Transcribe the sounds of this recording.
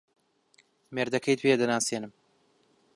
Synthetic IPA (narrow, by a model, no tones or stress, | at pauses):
meɾd̪ɐkʰɐjt̪ped̪ɐnaːseːnɨm